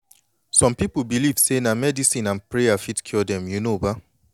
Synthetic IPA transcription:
sɔ̃mpipl̩bilivsenamɛdisĩnãnpɹeafitkʰɔdɛ̃mjunoba

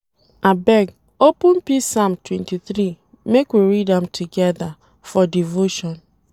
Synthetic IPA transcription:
abɛɡ | opũnpisamtwɛ̃ntiθɾi | mekwiɾidãmtʰuɡɛða | fɔdivoʃɔ̃n

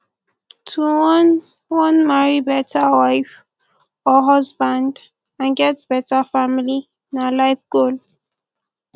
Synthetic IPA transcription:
tʰuwɔn | wɔ̃nmaɹibɛtʰəwaɪf | ɔɦɔsbãnd | ãnɡɛtb̥ɛtafamili | nalaɪfɡ̥ol

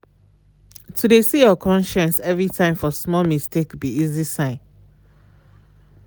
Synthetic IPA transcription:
tʰudesijɔkʰɔ̃nʃɛ̃nsɛvɹitʰãɪ̃mfɔsmɔlmistʰekbiizisãɪ̃n

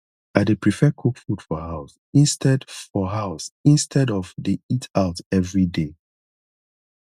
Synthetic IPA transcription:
adepɹifɛkʰokfud̥fɔhaʊs | ĩnstʰɛdfɔɦaʊsĩnstʰɛdɔvðeitʰaʊtɛvɹide

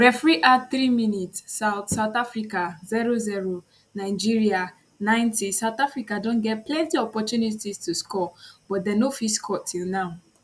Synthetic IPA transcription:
ɾɛfɾiʔaθɾiminitssaʊθsaʊt̪afɾikaziɾoziɾo | naɪd͡ʒiɾia | nãɪ̃ntisaʊt̪afɾikadõnɡɛt̚plɛ̃ntiɔpɔtjunitistuskɔb̥ɔt̚denofiskʰɔtʰilnaʊ

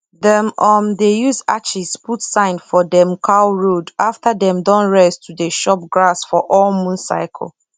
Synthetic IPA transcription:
dɛ̃mɔ̃mdejuza̰t͡ʃizputsãɪ̃ndfɔdɛ̃mkʰaʊɹodaftadɛ̃mdɔ̃nɹɛstʰːudeʃɔp̚ɡɹasfɔʔɔlmũnsa̰ɪkʰɔ̰l

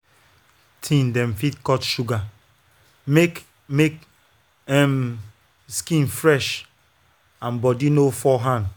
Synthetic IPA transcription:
tʰĩndɛ̃mfitkɔtʃuɡa | me | mek | ɛm | skĩnfɹɛʃ | ãnbɔdinofɔɦãnd

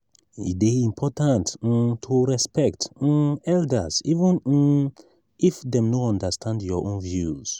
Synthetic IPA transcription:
ḭt̚eĩmpʰɔtãnttʰuɹɛspɛktɛldəzivə̃n | ifdɛ̃mnoɔ̃ndəstʰãndjɔʔõnvjuz̥

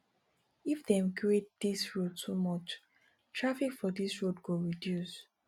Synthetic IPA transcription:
ifdɛ̃mkɹet̚d̥isɹod̚tumɔt͡ʃ | tʰɹafikfɔdisɹodɡoɹidjus

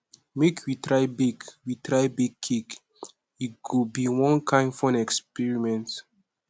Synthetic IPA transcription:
mekʰwitɹajbiɡwitɹajbiɡ̚kʰːik | iɡubiwɔ̃nkʰãɪ̃nfɔ̃nɛkspiɹimɛ̃nt

